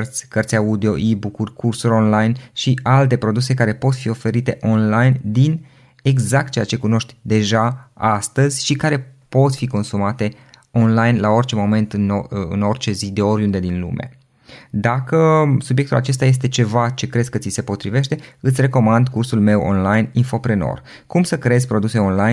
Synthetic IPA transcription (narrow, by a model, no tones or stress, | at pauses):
rt̪sʲkərt̪sʲaud̪eo̞ʔibukurʲkursuɾʲo̞nlajnʃialt̪e̞pɾo̞d̪use̞kaɾe̞po̞t̪fio̞fe̞ɾit̪e̞ʔo̞nlajnd̪in | e̞ɡzak̚t̪̚t͡ʃejat͡ʃe̞kuno̞ʃt̪ʲd̪e̞ʒaast̪əzʲʃikaɾe̞po̞t̪fiko̞nsumat̪e̞ | o̞nlajnlao̞rt͡ʃe̞mo̞me̞nt̪ɨnɨ̰no̞rt͡ʃe̞zid̪e̞o̞ɾʲund̪e̞d̪inlṵme̞̰ | d̪akəsubje̞k̚t̪ula̰t͡ʃe̞s̬t̪aje̞s̬t̪e̞t͡ʃe̞vat͡ʃe̞kɾe̞zkət̪sise̞po̞t̪ɾive̞ʃt̪e̞ɨt̪sʲre̞ko̞mand̪kursulme̞wʔo̰nlajninfo̞pɾeno̞̰r | kumsəkɾe̞zʲpɾo̞d̪use̞o̞nlaj